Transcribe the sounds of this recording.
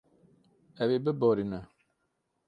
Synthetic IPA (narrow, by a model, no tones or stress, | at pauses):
ɛβebəbɔɾina